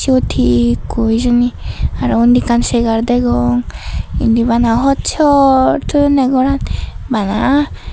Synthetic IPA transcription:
t͡ʃiot̪ʰikujzɯniaɾɔund̪ikansɛɡaɾd̪ɛɡɔŋḭnd̪iβanaɦɔt͡ʃʰɔt̪ʰɯnɛɡɔɾanbana

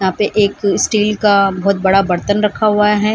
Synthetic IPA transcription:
jɐɦãːpeʔeːkɪsʈiːlkabɔɦʊt̪̚bɐɽabɐɾt̪ənɾɐkʰaɦuaɦɛː

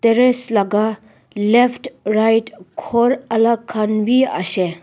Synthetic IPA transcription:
t̪eɾeslɐɡa | lefʈɾajʈkʰoɾɐlɐkʰːɐnʋiɐ̰ʃe

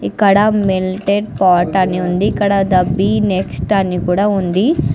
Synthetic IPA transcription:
ikːɐɽɐmilʈeɖpaːɾʈɐnːiund̪iːkːɐɽɐd̪ɐbːineksʈɐnːikuːɽaːund̪i

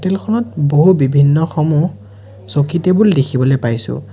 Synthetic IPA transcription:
otɛlkʰɔnɔtboɦubibʱinːɔxɔmu | sokitebuldekʰibɔlojpajsʊ̰̃

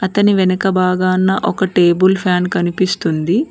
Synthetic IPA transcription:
ɐt̪ɐniʋɛnɐkɐbaːɡaːnːɐʔɔkɐʈe̞ːbulpʰjaːnkɐnipist̪und̪i

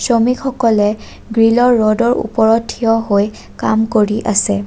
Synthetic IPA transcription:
somikʰɔkɔlɛ | ɡɹilɔɹːɔdɔɹṵpɔɹɔtʰːijɔɦoj | kamkoɹiʔasɛ

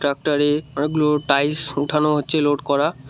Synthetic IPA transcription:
ʈɾak̚ʈaɾeɔnekloʈajsuʈʰanoɦotːɕʰeloɖkɔɾa

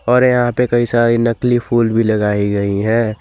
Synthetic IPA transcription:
ɔːɾjɐɦãpekɐisaɾinəklipʰuːlbʱiləɡaːiɡɐiɦɛ̃ː

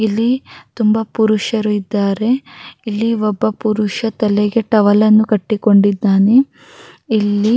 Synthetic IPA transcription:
ilːit̪umbɐpuɾuʂɐɾuid̪ːaːɾe̞ilːiɔbːɐpuɾuʂɐt̪ɐlɛɡe̞ʈɐʋɐlɐnːukɐʈːiko̞ɳɖid̪ːaːne | ilːi

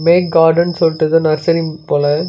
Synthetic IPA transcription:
meːk̚ɡaːɾɖɐnsɔlʈːɯðɯnɐɾsɐɾipoːlɐ

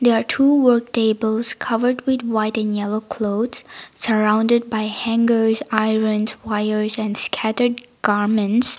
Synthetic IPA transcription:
d̪ɛɹatʰuːwəɹk̚tʰeɪbəlˠskʰʌvəɹd̚wɪd̪waɪtɛ̃njɛloʊkʰloʊdssəɹãʊ̃ndəd̚bajhæ̃ŋɡəɹzaɪɹə̃nzwaɪəɹzɛ̃nskʰætəɹd̚ɡ̥aɹmə̃nts

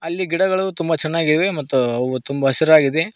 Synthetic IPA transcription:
ɐlːiɡiɽɐɡɐɭɐʋut̪umbɐt͡ʃɛnːaːɡid̪ʋemɐt̪ːuɐʋut̪umbɐɦɐsiɾaːɡid̪e̞

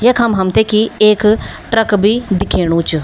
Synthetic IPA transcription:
jɐkʰɐmɦɐmt̪ʰekieːkʈɾɐkbʱid̪ɪkʰeːɽ̃ũːt͡ʃu

